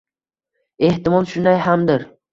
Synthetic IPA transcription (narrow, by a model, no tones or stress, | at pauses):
e̞ht̪ɪmɒlˠt̪ʃʊnajhamd̪ɪɾ